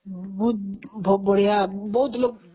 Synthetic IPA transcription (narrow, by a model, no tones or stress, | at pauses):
but̪̚bʱobʌɽ̤ijabʌɦut̪lok̚